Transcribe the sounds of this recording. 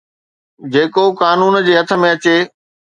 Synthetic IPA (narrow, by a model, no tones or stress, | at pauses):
d͡ʑeːkokaːnuːnd͡ʑeːɦɐt̪ʰə̆mẽɐt͡ɕeː